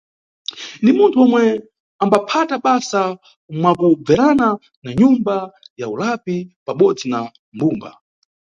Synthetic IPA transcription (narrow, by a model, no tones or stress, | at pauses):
ndimuntʰuɔmwɛ | ambapʰataɓasa | mwakub͡vɛɾana | naɲumbajaulapipaɓɔd͡zina | mbuːmba̰